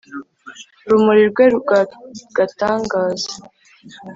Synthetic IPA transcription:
ɾumuɾiɾɡwe | ɡ̥ataːŋɡaːzḁ

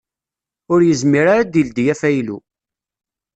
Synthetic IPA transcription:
ʊɾjəzmiɾaɾad̪ild̪jæfæjlṵ

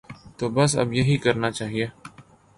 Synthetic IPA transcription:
t̪oːbəsə̰bjəɦiːkəɾnaːt͡ʃaːɦieː

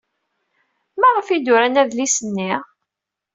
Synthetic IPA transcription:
mæʁəfid̪ʊɾænæðlisənːiʁ

